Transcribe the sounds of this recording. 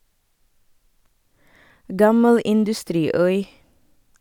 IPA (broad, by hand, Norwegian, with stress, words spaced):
ˈɡɑməl ɪndʉˈstɾiːˌœʏ